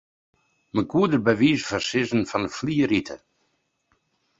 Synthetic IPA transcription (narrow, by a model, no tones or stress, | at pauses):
məɡuːdəɾbəviːzfəsɪzən̩fɔnəfliːəɾitʰə